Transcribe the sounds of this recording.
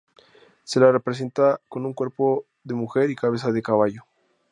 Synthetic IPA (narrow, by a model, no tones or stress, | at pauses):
se̞lare̞pɾes̬e̞nt̪ako̞nuŋkwe̞ɾpo̞ | ðemuxe̞ɾikaβe̞saðe̞kaβaʝo̞